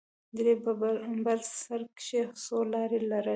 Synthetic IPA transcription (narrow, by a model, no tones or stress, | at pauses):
d̪ɾebbbalsaɾkʃesolɑɾelaɾə